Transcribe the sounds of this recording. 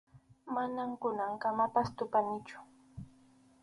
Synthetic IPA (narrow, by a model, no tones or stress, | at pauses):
manamkʊnaŋkamapast̪ʊpanɪt͡ʃʊ̥